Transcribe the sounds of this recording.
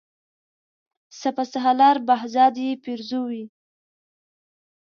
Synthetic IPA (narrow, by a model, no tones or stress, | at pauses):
sapasaɦalɑɾbaɦzɑd̪jepiɾzuwi